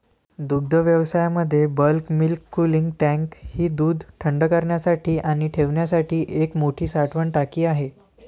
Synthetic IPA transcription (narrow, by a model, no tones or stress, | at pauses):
d̪ud̪ʱəʋjəʋsajaməd̪ʱːjebəlkmilkːuliŋɡʈæ̃ŋkhiːd̪uːd̪ʱʈʰəɳɖəkəɾɳjasaʈʰiːʔaɽ̃iʈʰeʋɳjasaʈʰiːʔekmoʈʰiːsaʈʰʋəɳʈakiːaɦe